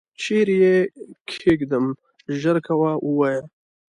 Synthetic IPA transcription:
t͡ʃeɾjekʰekd̪əm | ʒəɾkʰawaʔuwaja

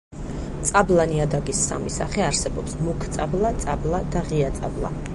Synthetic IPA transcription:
t̪sʼablˠaniad̪aɡisːa̰misaχɛaɾsɛbɔpsmukʰt̪sʼablˠat̪sʼablˠad̪aʁiat̪sʼa̰blˠa̰

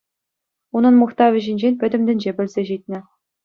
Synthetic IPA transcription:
unɤ̆nmuχt̪ɑʋʲɘ̆ʑĭnʲd͡ʑenʲpʲɘ̆d̪ʲɘ̆md̪ʲɘ̆nʲd͡ʑebʲɘ̆lʲzʲeʑit̪̚ʲnʲɘ̆

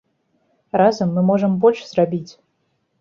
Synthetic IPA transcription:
razɐmːɨmɔʐɨmbɔlʲʂz̥rabʲit͡sʲ

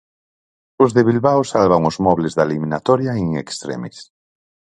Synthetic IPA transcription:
ʊzðeβilβawsalβaŋozmɔβlezðalimĩnat̪ɔɾjaiŋḛkst̪ɾḛmis

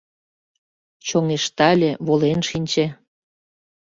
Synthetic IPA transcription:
t͡ɕoŋeʃt̪ɑlʲĕβolenʃinʲt͡ɕe

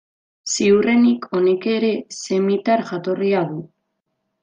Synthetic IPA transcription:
siure̞nikʰo̞neke̞ɾe̞se̞mit̪aɾʝat̪o̞riaðu

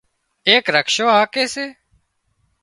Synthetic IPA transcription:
eːkɾəkʃoːɦaːkeːseː

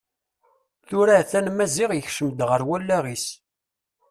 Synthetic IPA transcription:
θʊɾæθænmæziʁjəçʃəmd̪ʁəɾwælːæʁis

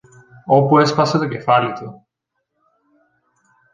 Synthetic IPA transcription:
opuespɐset̪ocefalit̪u

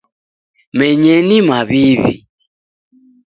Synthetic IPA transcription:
mɛɲɛnimaβiβḭ

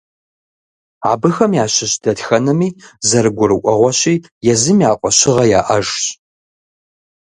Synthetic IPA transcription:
a̰ːbɨxɐmjaːɕɪɕd̥ɐtxɐnɨmiːzɐɾɨɡʷʊɾɨkʷʼɔʁʷɔɕiː | jɛzɨmiaːqʷʼɔɕɪʁɐjaːʔɐʒɕʼ

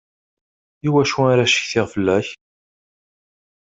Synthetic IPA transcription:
iwæʃuaɾaʃə̥çθɪʁfəlːæç

